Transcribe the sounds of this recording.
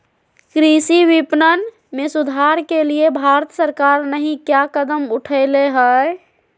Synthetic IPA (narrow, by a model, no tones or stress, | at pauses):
kɾisiʋipnən | mesʊd̪ʱaɾkeliebʱaɾət̪səɾkaɾnəɦĩkjakəd̪əmʊʈʰəɪleɦə